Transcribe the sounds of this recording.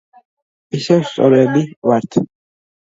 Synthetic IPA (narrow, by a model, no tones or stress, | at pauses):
isɛwst̪sʼɔɾɛbivaɾt̪ʰ